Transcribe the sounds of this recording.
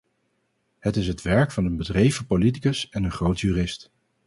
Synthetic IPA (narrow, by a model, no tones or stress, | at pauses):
ɦətɪs̬ɦətʋɛɹkfɑnənbədrejvəpolit̬ikəsɛnənχrowtʰjyːrɪst